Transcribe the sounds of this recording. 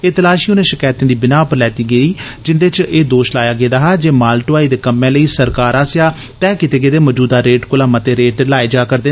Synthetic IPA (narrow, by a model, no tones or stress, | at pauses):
eːt̪əlaːʃiːʊnẽːʃɪkaːjt̪ẽːd̪iːbɪnaːpəɾlɛːt̪iːɡəiː | d͡ʒɪnd̪eːt͡ʃeːd̪oːʃlaːjaːɡeːd̪aːɦaːd͡ʒeːmaːlʈoʋaːid̪eːkəmːẽːləiːsəɾkaːɾaːsjaː | t̪ɛːkɪt̪eːɡeːd̪eːmɔːd͡ʒuːd̪aːɾeːʈkʊlaːmaːt̪eːɾeːʈlaːeːd͡ʒaːkəɾd̪eː